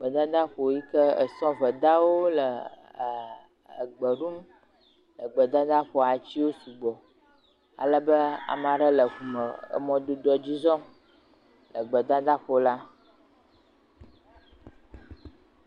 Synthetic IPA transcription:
ɡ͡bə˨d̪ã˦d̪a˦ɸo˨ji˦kə˦ə̰˨sɔ̃˦və˨d̪a˦wo˦lə˨ | ə˨ɡ͡bə˨ɖu˦m | lə˨ɡ͡bə˨d̪a˦d̪a˦ɸɔ˨a˨t͡ɕi˦wo˦su˨ɡ͡bɔ˨ | a̰˨lə˦bə˦a̰˨m˦a˨ɖə˦lə˨ɣu˨mə˨ə̰˦mɔ̃˦d̪o˦d̪ɔ˨d͡ʑi˦zɔ̃˦ | lə˨ɡ͡bə˨d̪a˦d̪a˦ɸo˨la˦

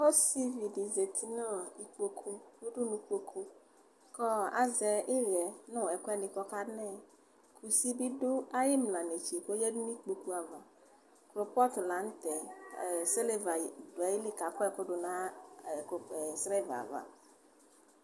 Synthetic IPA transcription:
o˦si˦vi˨di˨ze˨t̪ʰi˦nɔ̃˦i˨k͡po˦kʰu˦wo˦ɖu˦nũ˨˦ko˦kʰu˦ | kɔ˦a̰˨zɛ˨ʔɪ˦ɾɛ˨nʊ̃˦˨ɛ˨kɔ˦ɛ˦nĩ˨kɔ˦ka˦nɛ̃˦˨ | kʰu˨si˦bi˦dʊ˦a˦je˦mlã˨ne˨t͡ʃi˨ko˦jɛ˦dn˦ĩ˦k͡po˨ku˦a˨va˨ | klo˨pɔ˦t̪ʊ˨la˨˦n̩˦t̪ɛ˨se˦le˦va˨do˨a˨ji˦li˦ka˨kɔ˦ɛ˦˨ko˦ɖo˨nã˦˨ko˨e˨sɾɛ˦˨va̰˨va̰˨

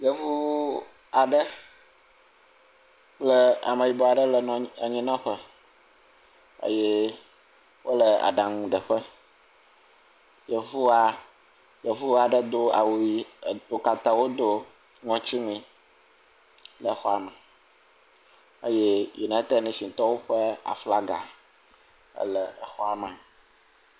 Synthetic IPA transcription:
jə˨vu˦ | a˨ɖə˦ | klə˦a̰˨mə̃˨ji˨bo˨a˨ɖə˦lə˨ñ˨a˨ɲĩ˦nã˦ɸə˦ | ə̰˦jɛ˦ | wʔo˦lə˨a̰˨ɖã˨ŋũ˦ɖə˨ɸə˦ | je˨vu˦a˨ | je˨vu˦a˨ɖə˦d̪o˦a˨wi˨d̪o˨ka˨t̪ã˨wo˦d̪o˦ | ŋɔ̃˦t͡ɕi˦ŋĩ˦ | lə˨˦xɔ˦a˨mɛ˨ | ḛ˦je˦jḭ˨nã˦t̪ɛ˦˨nɛ̃˦si˨t̪ɔ˦wo˦ɸɛ˦a̰˨fla˦ɡa˨ | ə̰˦lə˨ə˨xɔ˦a˨mã˨

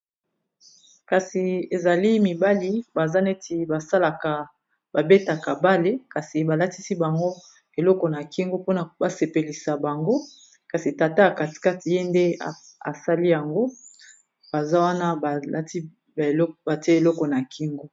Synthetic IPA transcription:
ka˨si˨e˨za˨li˦mi˨ba˦li˦ba˨za˦ne˦ti˨ba˨sa˦la˨ka˨ | ba˨be˦ta˨ka˨ba˦le˦ka˨si˨ba˨la˦ti˦si˦ba˨ŋɡo˦ | e˨lɔ˦kɔ˨na˨ki˦ŋɡo˦po˦na˨ba˨se˨pe˨li˨sa˨ba˨ŋɡo˦ | ka˨si˨ta˨ta˦a˨ka˨ti̥˨ka˦ti˨je˦nde˦a˨ | a̰˨sa˦li˦ja˨ŋɡo˦ | b̥a˨za˦wa˦na˦ba˨a˦ti˦˨ | lba˨te˨lɔ˦kɔ˨na˨kʰi˦ŋɡo˦

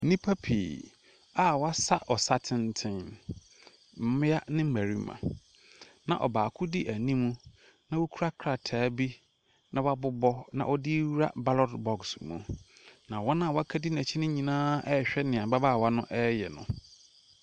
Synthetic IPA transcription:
nĩ˦pʰa˦pʰḭ˨ | a˦˨wa˦sa˦ʔɔ˨sa˦tʰɪ̃˦˨ntʰɪ̃˦n | m̩˦mɪ̃˦a˦nɪ̃˦m̩˦mæ˨ɾi˦mã̰˨ | nã̰˨ʔɔ̰˨baː˨kʰʊ˦dɪ˦ʔæ˨nĩ˦mũ˦ | nã˦wu˦kʰu˦ɾa˦kʰɾa˨tʰaː˨˦bi˦ | nã˦wa˦bʊ˦bɔ˦nã̰˨ʔɔ˦dɪ˦wɾa̰˦ba˦lɔ˦dbɔ˨ksmṵ̃˨nã˨wɔ˦nã˦˨wɔ˦a˦kʰa˦dɪ˦næ̃˨t͡ɕʰi˦nɪ̃˦ɲĩ˨nãː˦ɛ˦˨ɕᶣɛ˦nɪ̃˨a˨ba˦baː˦˨wa˦nʊ̃˦ʔɛ˦jɛ˨nʊ̰̃˨

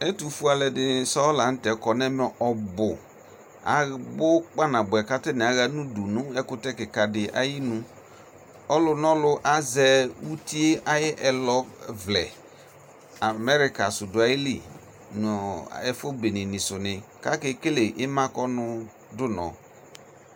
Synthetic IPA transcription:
ɛ˦tu˨fu˦a˨lɛ˨dɪ˨sɔ˦la˨n̩˦tɛ˨kɔ˨nɛ˦mɛ˨˦ʔɔ˨bʊ˨ | a̰˨bʊ˦k͡pa˦nã˨bʊ˨ɛ˨ka˦tɪ˦nɪ̃˨a˨ɣa˦nũ˦du˨nʊ̃˦ɛ˦kʊ˦tɛ˦kɪ˨ka˨dɪ˨ʔa̰˦ji˦nũ˦ | ɔ˦lʊ˨n˦ɔ˦lʊ˦ʔa˦zɛ˨wu˦ti˦e˦ʔa˦jɪ˦ʔɛ˨lɔ˦vlɛ̰˨ | a˨mɛ˦ɾɪ˦ka˨sʊ˨dʊ˨a˨jɪ˦lḭ˨ | n̰˨ɛ˨fo˦be˨nɪ̃˨nɪ̃˨sʊ˨nɪ̃˨ka˦kɪ˦ke˦le˨ʔɪ˦mã˦kɔ˦nʊ˦ | dʊ˦nɔ̰˨

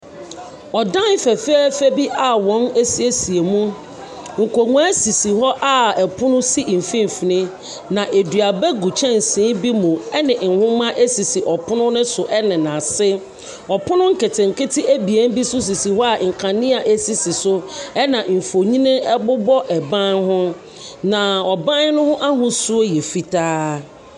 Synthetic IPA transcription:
ɔ˨dã˦n˦fɛ˨fɛ˦fe˦bi˦ʔa˨wɔ̃˦ne˦si˦e˦si˨e˨mũ˦ | ŋ̩˨ko˨ŋũ˦æ˦si˨si˨hɔ˦ʔa˦˨ɛ˨pʰʊ̃˦nʊ̃˦si˦˨m̩˨fĩ˦m˨fi˨nɪ̃˦ | nã˨ʔe˨dɥa˨bɛ˦ɡu˨t͡ɕʰɛ̃˦n˨sĩː˨˦bi˦mũ˨ɛ˦nɪ̃˨ŋ̩˨hʊ̃˦mã˦ʔe˦si˨si˨ʔɔ˨pʰʊ˦nʊ̃˦nɪ̃˦sʊ˨ʔɛ˦nɪ̃˨nã˨sɪ˦ | ɔ˨pʰʊ˦nʊ̃˦ŋ̩˦ke˨tʰɪ̃˨ŋ̩˨kɪ˦tʰɪ˦ʔæ˦bi˨e˦n˦bi˦sʊ˦s̬i˨si˨ɦɔ˦a˨ŋ̩˨kʰã˨nɪ̃˦a˨ʔe˦si˦si˨sʊ˦ɛ˦nã˨m̩˨fo˨ɲĩ˦nɪ̃˦ɛ˦bʊ˦bɔ˦ʔɛ˨bã˦nɦʊ̃˦ | nã˨ɔ˨bã˦n˦nʊ̃˦hʊ̃˦ʔa˦ɦʊ̃˨su˦o˦jɛ˨fi˨tʰaː˦

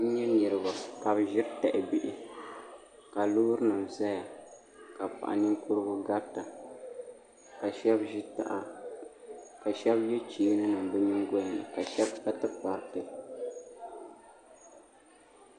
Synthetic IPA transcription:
n̩˦ɲɛ˦ni˨ɾɨ˨ba˨ka˨bʒɪ˦ɾtɛ˨ʔɪ˨bi˨ʔɪ˨ | ka˨lu˦ɾɨ˦nɨ˨m˨za˦ja˨ | ka˨pa̰˨ʔa̰˨ni˦ku˦ɾɨ˦ɡʊ˦ɡa˦ɾta˨ | ka˨ʃɛ˦bʒi˦ta̰˨ʔa˨ | ka˨ʃɛ˦bjɛ˦t͡ʃiː˨˦nɨ˦nɨ˨m˨bɨ˦mi˦ŋɡɔ˦˨nɨ̰˨ka˨ʃɛ˦bka˦tɨ˦pa˨˦ɾtɨ˦

